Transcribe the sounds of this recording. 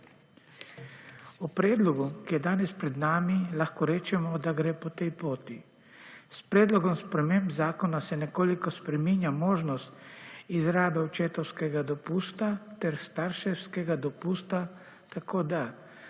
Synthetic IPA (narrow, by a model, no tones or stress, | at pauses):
upɾɛːd̪lɔɡukijɛd̪aːnɛspɾɛd̪naːmilaxkɔɾɛːt͡ʃɛmɔd̪aɡɾeːpɔt̪ɛjpoːt̪i | spɾɛːd̪lɔɡɔmspɾɛmembzaːkɔnasɛnɛkoːlikɔspɾɛminjamoːʒnɔst̪izɾaːd̪aut͡ʃeːt̪ɔwskɛɡad̪ɔpuːst̪at̪ɛɾst̪aɾʃɛwskɛɡad̪ɔpuːst̪a | t̪akoːd̪a